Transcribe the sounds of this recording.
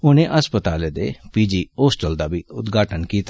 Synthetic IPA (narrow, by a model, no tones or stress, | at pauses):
ʊnẽːʔəspət̪aːleːd̪ḛːpiːd͡ʒiːoːsʈəld̪aːbiːʊt̪ɡʱaːʈənkiːt̪ː